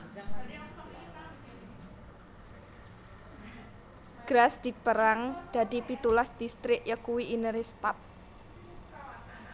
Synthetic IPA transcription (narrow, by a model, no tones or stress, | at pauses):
ɡ̥ɾasd̪̥i̤pəɾaŋd̪̥a̤d̪ipit̪ulasd̪̥ist̪ɾɪk̚jəkuwiʔinəɾest̪ap̚